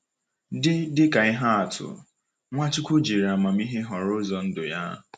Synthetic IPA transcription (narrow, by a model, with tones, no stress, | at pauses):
dɪ˦dɪ˦ka˨ɪ˦ɦa˦a˨tʰʊ̰˨ | ŋʷa˦t͡ʃɪ˦kʷʊ˦d͡ʒi˨ɾi˨a˨ma˨m̩˦i˦ɦe˦ɦɔ˨ɾʊ˦zɔ˨n̩˦dʊ˨ja̰˦